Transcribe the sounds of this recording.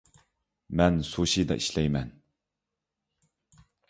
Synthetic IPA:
mɛnsoʃid̪ɛ̰ʔiʃlɛjmɛn

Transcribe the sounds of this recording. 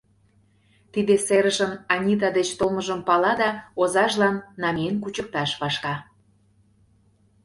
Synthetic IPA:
t̪id̪eseɾəʃənɑnʲit̪̬ɑd̪et͡ɕt̪olməʒəmpɑlɑd̪ɑozɑʒlɑnːɑmʲenkut͡ɕək̚t̪ɑʃβɑʃkɑ

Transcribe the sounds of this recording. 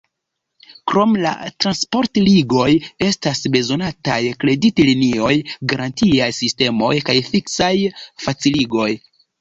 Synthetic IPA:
kɾo̞mla̰tɾanspo̞ɾtliɡo̞je̞stasbe̞zo̞natajkle̞ditlinio̞jɡaɾantiajsiste̞mo̞jkajfiksajfat͡siliɡo̞j

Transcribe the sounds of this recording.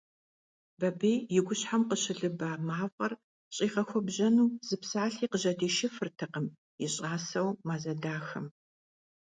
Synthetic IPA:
bɐbeːjjɪɡʷʊɕħamqəɕɪɮɨbaːmaːvʼɐr | ɕʼiːʁɐxʷɔbʑɐnuːz̥ɨpsaːɬiːqəʑɐdeːʃɪfɨrtʰɐqəm | jɪɕʼaːsɐwmaːzɐdaːxɐm

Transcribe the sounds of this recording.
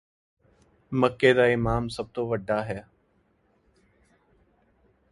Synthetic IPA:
məkːeːd̪aːɪmaːmsəb̚t̪oːʋəɖʱːaːɦɛː

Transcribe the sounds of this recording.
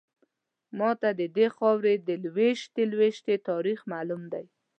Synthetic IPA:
mɑt̪ad̪əd̪exɑwɾed̪əlweʃt̪elweʃt̪et̪ɑɾixmalumd̪aj

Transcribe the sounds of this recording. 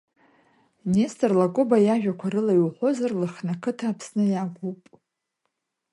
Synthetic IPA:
nestʰʼarlaɡʷʼobajaʒᶣakʷʰaɾɨlajwħʷo̞zarlɨχnakʰɨtʰaːpʰsnɨjaɡʷupʼ

